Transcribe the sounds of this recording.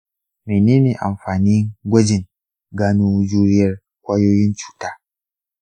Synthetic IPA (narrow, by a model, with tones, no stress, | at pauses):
meː˨neː˦neː˨ʔa˨mɸaː˨niː˦ɡʷɐ˦d͡ʒɪ˨ŋ | ɡaː˦nu˦d͡ʒuː˦ɾɪ˦jɐ˦˨r | kʷaː˦joː˦jɪ˦nt͡ʃu̥ː˨taː˦